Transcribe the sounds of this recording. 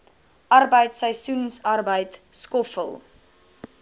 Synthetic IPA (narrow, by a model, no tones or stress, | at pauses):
ʔɐrbəjtsəjsunsɐrbəjtskɔfə̰lˠ